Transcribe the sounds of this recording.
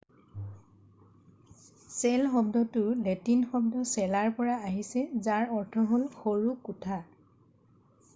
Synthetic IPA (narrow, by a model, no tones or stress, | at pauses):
sɛlxɔbdɔtʊɹletinxɔb̚dɔsɛlaɹpɔɹaaɦisɛzaɹɔɹtʰɔɦolxoɹukutʰa